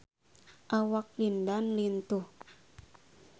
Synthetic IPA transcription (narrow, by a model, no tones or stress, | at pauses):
ʔawak̚lindanlint̪uh